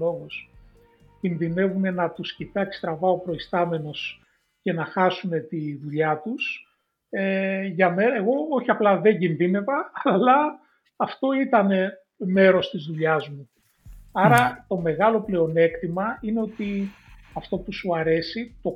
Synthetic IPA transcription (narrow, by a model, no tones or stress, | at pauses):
o̞ɣos | cinðine̞vune̞nɐt̪uscit̪ɐekst̪ɾɐvɐo̞pɾo̞ist̪ɐme̞no̞s | ce̞nɐxɐsume̞t̪iðuʎɐt̪us | eʝɐme̞ne̞ɣo̞oçiɐplɐðe̞ɲɟinðine̞vɐːlɐː | ft̪o̞it̪ɐne̞ | me̞ɾo̞st̪izðuʎɐzmu | ɐɾɐt̪o̞me̞ɣɐlo̞ple̞o̞ne̞kt̪imɐine̞o̞t̪i | ɐft̪o̞pusuɐɾe̞sit̪o̞